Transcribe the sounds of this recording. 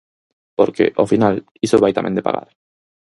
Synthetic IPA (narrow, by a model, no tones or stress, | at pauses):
poɾkḛʔofinal | isoβajt̪amḛ̃nd̪epa̰ɣa̰ɾ